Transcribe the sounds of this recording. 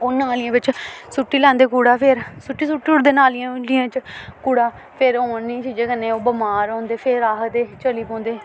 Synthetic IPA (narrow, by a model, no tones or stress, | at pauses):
ʊnaːliãːʋɪt͡ʃsuʈːiːlãːnd̪eːkuːɽaːpʰɪɾsʊʈːiːsuʈːiːʊɽd̪eːnaːlːãːliãːt͡ʃkuːɽaː | pʰɪɾoːnĩt͡ʃiːd͡ʒeːkənẽːoːbəmaːɾõːnd̪eːpʰɪɾaːɦd̪eːt͡ʃəliːpɔ̃ːnd̪eː